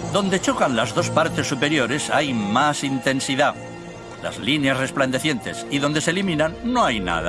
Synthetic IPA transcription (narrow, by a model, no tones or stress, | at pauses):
d̪o̞nd̪e̞t͡ʃo̞kanlazðo̞spaɾt̪e̞sːupe̞ɾjo̞ɾe̞sajmasint̪e̞nsiða | la̰zlinjasre̞spland̪e̞θje̞nt̪e̞siðo̞nd̪e̞selimĩnanːoajna̰ða̰